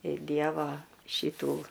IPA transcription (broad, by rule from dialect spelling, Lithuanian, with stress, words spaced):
ɪ ˈdʲiɛʋoː ˈʃʲɪtuː